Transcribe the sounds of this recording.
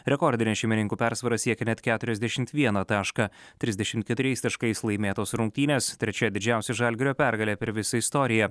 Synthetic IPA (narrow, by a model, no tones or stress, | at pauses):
ɾʲɛkɔɾʲd̪ʲɪnʲeːsʃʲɛɪmʲɪnʲɪŋkuːpʲæɾsʋɐɾɐsʲiɛkʲɛnʲɛt̪kʲæːt̪ʊɾʲɛzʲd̪ʲɛʃʲɪmt̪ʋʲiɛnɐt̪ɑːʃkɐt̪ʲɾʲɪzd̪ʲɛʃʲɪmt̪̚kʲɛt̪ʊɾʲɛɪst̪ɐʃkɐɪslˠɐɪmʲeːt̪oːsɾʊŋʲk̚ʲt̪ʲiːnʲeːst̪ʲɾʲɛt͡ʃʲɛd̪ʲɪd͡ʒʲæˑʊsʲɛʒɐlʲɡʲɪɾʲoːpʲæɾɡɐlʲɛːpʲɛɾʋʲɪsɐɪst̪ɔːɾʲɪjɛ